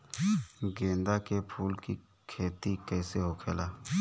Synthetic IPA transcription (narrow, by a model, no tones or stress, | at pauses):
ɡẽːnd̪akepʰuːlki | kʰeːt̪ikɛːseɦokʰeːlaː